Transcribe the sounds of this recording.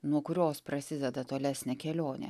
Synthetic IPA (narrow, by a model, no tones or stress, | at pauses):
nuɔkʊɾʲoːspɾɐsʲɪd̪ʲɛd̪ɐt̪oːlʲæsʲnʲɛkʲɛlʲoːnʲḛ